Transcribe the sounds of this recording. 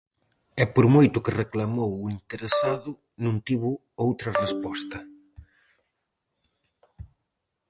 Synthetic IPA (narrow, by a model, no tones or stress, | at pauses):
ɛpoɾmojt̪ʊkɪreklamowʊint̪eɾesaðʊ | nũnt̪iβʊ | owt̪ɾɐrespɔst̪ɐ